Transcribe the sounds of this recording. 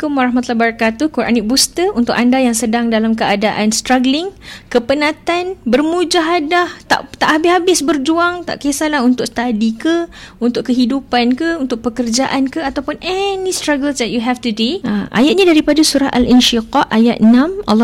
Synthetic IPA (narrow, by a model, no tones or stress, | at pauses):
kʊmraɦmat̪ulabəɾakat̪ukuɾʔa̰nik̚bust̪əunt̪ʊkandajaŋsədaŋdalamkəadaʔanst̪ɾaɡəlɪŋkəpənãt̪anbərmũd͡ʒaɦadaht̪a̰ʔt̪aʔhabɪhabɪsbərd͡ʒuaŋt̪a̰ʔkesalahunt̪ʊʔst̪adikəunt̪ʊʔkːəɦidupankəunt̪ʊkʔ̚pəkərd͡ʒaʔankəat̪awpʊnʔɛnĩst̪ɾaɡəlsdɛt̚juɦɛft̪udeəʔa̰jat̪̚ɲadaɾipadasuɾaʔalʔinʃiqɔʔajat̪̚ənãmʔalː